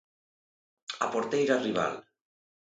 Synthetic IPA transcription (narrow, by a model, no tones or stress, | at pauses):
apoɾt̪ejɾariβa̰l